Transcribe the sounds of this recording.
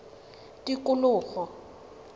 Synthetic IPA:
tʼikʼʊlʊːɣɔ

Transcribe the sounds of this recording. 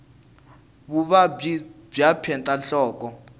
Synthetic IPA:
βuβa | b͡ʐjapʰɛntʼaɬɔːk̬ʼɔ

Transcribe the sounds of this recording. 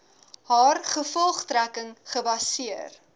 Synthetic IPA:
haːrχəfɔlˠχtɾækəŋχəbɐsiər

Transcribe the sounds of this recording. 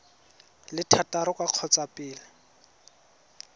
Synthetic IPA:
lɪtʰataɾʊkʼaq͡χʰɔt͡sapʼɪːlɪ

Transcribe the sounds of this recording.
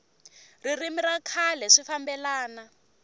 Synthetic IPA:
ririmiɾakʰalɛʂifambɛlaːna

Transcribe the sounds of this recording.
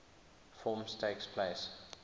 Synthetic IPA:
fɔːmstʰeɪkspʰleɪs

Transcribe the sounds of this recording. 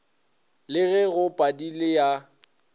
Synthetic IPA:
lɪɣɛɣʊpʼadilɪja

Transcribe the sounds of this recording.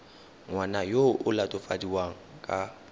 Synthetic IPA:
ŋwanajoʔʊlatʼʊfadiwaŋ̩kʼa

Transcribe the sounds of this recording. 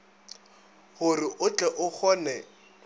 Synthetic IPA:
hʊrɪʔʊt͡ɬʼɛʔʊk͡xʰɔːnɛ

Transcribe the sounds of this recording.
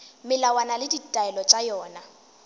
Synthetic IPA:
mɪlawanalɪditʼaɛlɔt͡ʃʼajɔːna

